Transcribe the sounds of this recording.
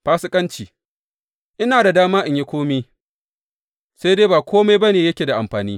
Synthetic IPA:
ɸaː˦sɪ˦kʼɐ˦nt͡ʃiː˨ | ʔɪ˦naː˨da˨daː˦maː˦ʔɪ˨ɲje˦kʷoː˦miː˦ | sa˦jdeː˦baː˨kʷoː˦ma˦jbɐ˦neː˨jɐ˦kʲeː˨da˨ʔa˨mɸaː˨niː˦

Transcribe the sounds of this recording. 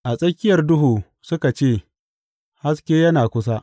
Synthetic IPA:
ʔa˨sʼɐ˦kʲɪ˦jɐ˨rdʊ˦ɦuː˨ | sʊ˦ka˨t͡ʃeː˦˨ | ha˦skʲeː˦jɐ˦naː˨kʷʊ˦s̬a˦ʔ

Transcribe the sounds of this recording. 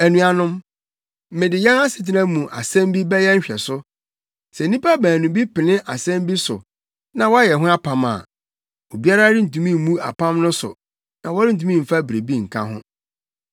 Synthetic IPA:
æ˨nũ˨a˨nʊ̃˦m̩˦ | mɪ̃˨dɪ˨jɛ̃˦na˦sɪ˨t̬ʰɪ˦nã˦mũ˨ʔa̰˨sɛ̃˦m˦bi˦bɛ˦jɛ˦ɲ̩˦ɕᶣɛ˨sʊ˦ | sɛ˨˦ĩ˦pa˦bæ̃ː˨nũ˨bi˦pɪ˨nɪ̃˦ʔa˨sɛ̃˦mbi˦sʊ̰˨ | nã˨wɔ˦a˦jɛ˨ɦʊ̃˦a˦pʰã˨ma̰˨ | o˨bi˦a˦ɾa˦dɪ˦n̩˨tũ˨mĩ˦˨m˦mũ˦a̰˨pʰã˦mnʊ̃˦sʊ̰˨ | nã˨wɔ˦ɾɪ˦n̩˨t̬ũ˦mĩ˦˨m̩˨fa˦bɾe˨bi˦ŋ̩˨kʰã̰˦ɦʊ̰̃˦

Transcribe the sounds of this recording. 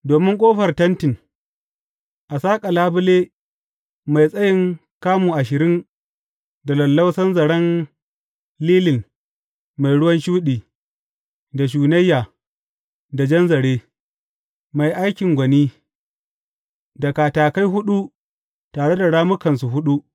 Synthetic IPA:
doː˨mɪ˦ŋkʷʼoː˦ɸɐ˨rtɐ˦ntɪ˨n | ʔa˨saː˦kʼa˨laː˦bʊ˦leː˦ | ma˨jsʼɐ˦jɪ˦ŋ | kaː˦muː˨ʔa˨ʃɪ˨ɾɪ˦ŋ | da˨lɐ˨lːɐ˦wsɐ˦nzɐ˨ɽɐ˦n | liː˦lɪ˨n | ma˨jɽʊ˦wɐ˦nʃuː˦ɗiː˨ | da˨ʃ̬uː˨nɐ˦jːaː˨ | da˨d͡ʒɐ˦nzɐ˨ɽeː˦ | ma˨jʔa˦jkʲɪ˨ŋɡʷɐ˨niː˦ | da˨kaː˨taː˨ka˦jɦʊ˦ɗu˦ | taː˨ɽe˦da˨ɽaː˦mʊ˦kɐ˨nsu˨ɦʊ˦ɗu˦ʔ

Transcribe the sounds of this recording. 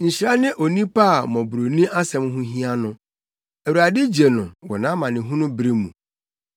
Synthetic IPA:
ɲ̩˨ɕi˨ɾa˦nɪ̃˦ʔo˨nĩ˦pa˦˨mɔ̃˨bɾo˨nĩ˦ʔa˦sɛ̃˨mɦʊ̃˦ɦĩ˦a˦nʊ̃˦ | æ˨wu˨ɾa˨dɪ˦d͡ʑe˨nʊ̃˨wɔ˨nã˨˦mã˨nɪ̃˨ɦũ˦nʊ̃˦bɾe˦mṵ̃˨

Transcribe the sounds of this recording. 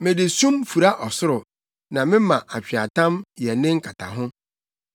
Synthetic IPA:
mɪ̃˨dɪ˨sũ˦mfu˨ɾa˦ʔɔ˨sʊ˦ɾʊ˨ | nã˨mɪ̃˦mã˨ʔa˨t͡ɕᶣi˨a˨tã˦mjɛ˨nɪ̃˦ŋ̩˦kʰa˨tʰa̰˨ɦʊ̃˦

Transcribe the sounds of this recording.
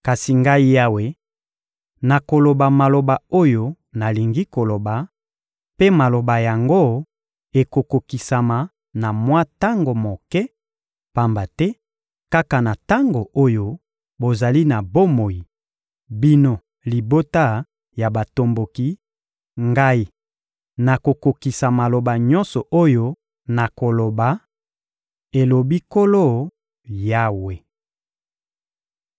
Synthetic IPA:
ka˨si˨ŋɡa˦i˦ja˦we˨˦ | na˨ko˨lo˨ba˨ma˨lo˨ba˨o˦jo˦ | na˨li˨ŋɡi˦ko˨lo˨ba˨ | pe˦ma˨lo˨ba˨ja˨ŋɡo˦ | e˨ko˨ko˨ki˨sa˨ma˨ | na˨mwa˦ta˦ŋɡo˨mo˨kɛ˦ | pa˦mba˨tɛ˦ | ka˦ka˨na˨ta˦ŋɡo˨ʔo˦jo˦ | bo˨za˨li˦na˨bo˦mo˨ji˨ | bi˦no˦ | li˨bo˦ta˦ | ja˨ba˨to˨mbo˨ki˦ | ŋɡa˦i˨ | na˨ko˨ko˨ki˨sa˨ma˨lo˨ba˨ɲɔ̃˦nsɔ˨ʔo˦jo˦ | na˨ko˨lo˨ba˨ | e˨lo˨bi˦ko˦lo˦˨ | ja˦we˨

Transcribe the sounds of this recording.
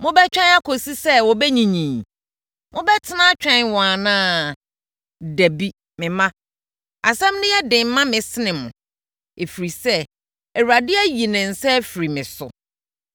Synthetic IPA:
mʊ̃˦bɛ˦t͡ɕᶣɛ̃˦na˦kʰo˨si˦sɛ˦wɔ˨bɛ˦ɲĩ˨ɲĩ˨m | mʊ̃˦bɛ˦tʰɪ˦nã˦t͡ɕᶣɛ̃˦˨nwɔ̃˨a˨nãː˦ | dæ˨bi˦ | mɪ̃˨mã˦ | a˨sɛ̃˦mnʊ̃˦jɛ˦dɪ̃˨m˦mːã˦mɪ̃˨sɪ˦nɪ̃˨mʊ̰̃˨ | e˨fi˨ɾi˨sɛ˦ | ɛ˨wɾa˨dɪ˦æ˦ji˨nɪ̃˨n̩˨sɛ˦fi˨ɾi˨mɪ̃˨sʊ̰˨

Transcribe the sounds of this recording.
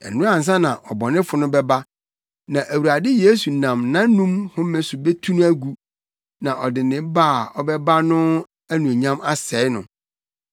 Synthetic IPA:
ɛ̰˨n̩˨ʊ̃˦a˦˨n̩˨s̬ã˦nã˨ʔɔ˨bɔ˨nɪ̃˦fʊ˨˦nʊ̃˦bɛ˦ba˦ | nã˨ʔæ˨wu˨a˨dɪ˦je˦su˨nã˨mnã˦n˦nũ˦mhʊ̃˦mɛ̃˦sʊ˨be˦tʰu˦nũ˦æ˦ɡu˨ | nã˨ʔɔ˨dɪ˨nɪ̃˨˦baː˦˨ɔ˦bɛ˦ba˦nʊ̃˦ | æ˦nũ˨æ˨ɲã˦ma˦sɛ˨˦ɪ˦nʊ̰̃˨

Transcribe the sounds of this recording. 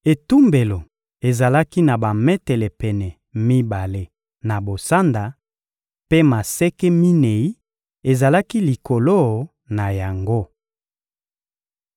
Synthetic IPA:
e˨tu˦mbe˨lo˨ | e˨za˨la˦ki˦na˨ba˨mɛ˦tɛ˨lɛ˨pɛ˨nɛ˨ | mi˦ba˨le˦ | na˨bo˨sa˦nda˨ | pe˦ma˨sɛ˦kɛ˦mi˦ne˨i˦ | e˨za˨la˦ki˦li˨ko˨lo˦˨ | na˨ja˨ŋɡo˦

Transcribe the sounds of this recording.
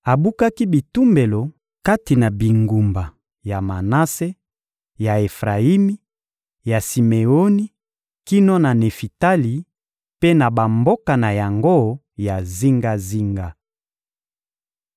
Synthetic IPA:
a˨bu˦ka˦ki˦bi˨tu˦mbe˨lo˨ | ka˦ti˨na˨bi˨ŋɡu˨mba˨ | ja˨ma˨na˦se˦ | ja˨e˨fʁa˨i˦mi˦ | ja˨si˨me˨o˦ni˦ | ki˦no˦na˨ne˨fi˨ta˦li˨ | pe˦na˨ba˨mbo˦ka˨na˨ja˨ŋɡo˦ | ja˨zi˦ŋɡa˦zi˦ŋɡa˦

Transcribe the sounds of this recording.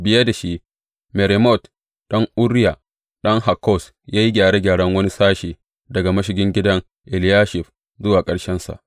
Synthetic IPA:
bɪ˦jɐ˦da˨ʃi˦ʔ | me˨ɾɛ˨mɔ˦˨t | ɗɐ˦ŋʔʊ˦ɾja˨ | ɗɐ˦ŋha˨kːɔ˦˨s | jaː˦ji˦ɡʲaː˨ɽe˦ɡʲaː˨ɽɐ˦ŋwɐ˦ni˦saː˦ʃeː˨ | dɐ˨ɡa˨mɐ˦ʃ̬ɪ˨ɡʲɪ˦ŋɡʲɪ˦dɐ˦ŋ | ʔɪ˨ljaː˦ʃɪ˨ɸ | zʊ˦waː˨kʼɐ˦ɽʃɛ˦nsa̰˨ʔ

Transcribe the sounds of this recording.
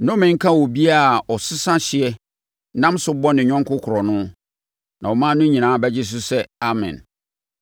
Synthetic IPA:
nʊ̃˦mɪ̃˨ŋ̩˦kʰã˦wɔ˨bi˦a˦˨ɔ˨sʊ˦sã˦ɕɪ˨ɛ˦ | nã˦msʊ˦bɔ˦nɪ̃˨ɲᶣɔ̃˦ŋkʰʊ˦kʰʊ˨ɾɔ˨nʊ̃˦ | nã˨wɔ˨mãː˦nʊ̃˦ɲĩ˨nãː˨˦bɛ˦d͡ʑɪ˦s̬ʊ˦sɛ˦a˨mɛ̰̃˨n

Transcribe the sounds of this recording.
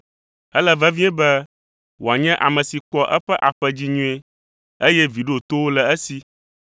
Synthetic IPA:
ɛ˦lɛ˦vɛ˦vĩ˦ɛ˦bɛ˦ | wo˨a˨ɲɛ̃˦ʔa˨mɛ̃˨si˨k͡pɔ˦ʔɛ˦ɸɛ˦ʔa˨ɸɛ˦d͡ʑi˦ɲũ˦e˦ | e˦jɛ˦vi˨ɖo˦˨t̪o˦wo˦lɛ˨ɛ˦si˦

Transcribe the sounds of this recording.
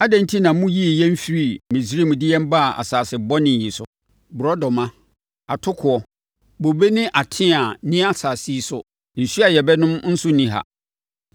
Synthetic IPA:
a˦dæ̃˦n˦tʰi˦nã˨˦mũ˦ji˦˨jɛ˦m̩˦fi˨ɾi˦˨mĩ˨si˦ɾi˦˨mũ˨dɪ˦jɛ̃˦m˦ba˦˨a̰˨saː˨sɪ˨bɔ˦nɪ̃˨ji˨sʊ̰˨ | bʊ˨ɾɔ˦dɔ˨mã˦ | a˨tʰʊ˦kʰʊ˨ɔ˨ | bo˨be˦nɪ̃˦ʔa˨tʰɪ̃˦a˨nĩ˦a˦˨saː˨si˦sʊ̰˨ | n̩˨ɕɥa˨jɛ˨bɛ˦nʊ̃˦mn̩˦sʊ˦nĩ˨ɦa̰˨

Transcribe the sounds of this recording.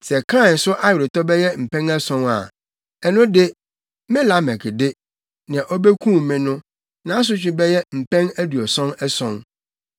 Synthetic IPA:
sɛ˨kʰɾa˦ɪ˨nsʊ˦ʔa˦jɪ˨ɾɪ˨tɔ˦bɛ˦jɛ˦m̩˨pʰɛ̃˦nɛ˦sɔ̃˦na̰˨ | ɛ˨nʊ̃˦dɪ˦ | mɪ̃˦la˨˦mɛ̃˨kʰɪ˨dɪ˦ | nã˨ʔɔ˦bɛ˦kʰũ˦˨mɪ̃˨nʊ̃˦ | nã˨˦s̬ʊ˦t͡ɕᶣɪ˦bɛ˦jɛ˦m̩˨pʰɛ̃˦ŋæ˦du˨ɔ˨sɔ̃˦nɛ˦sɔ̃˦n

